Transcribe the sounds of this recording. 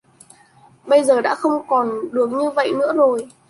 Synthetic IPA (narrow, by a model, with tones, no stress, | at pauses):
ɓə˧jzəː˨˩ɗa̰ː˧˥xə˧wŋ͡mkɔ˨˩nɗɨ˨˩ək̚ɲɨ˧və̰˧˨jnɨ̰˧˥əzo˨˩j